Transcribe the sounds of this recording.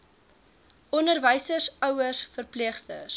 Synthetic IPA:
ɔnərvəjsəsœwərsfərpliəχstə̰r

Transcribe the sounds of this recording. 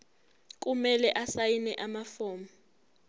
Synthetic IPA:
k̬ʼumɛlɛʔasajinɛʔamafɔːma

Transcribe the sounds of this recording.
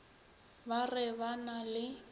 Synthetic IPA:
barɛbanalɪ

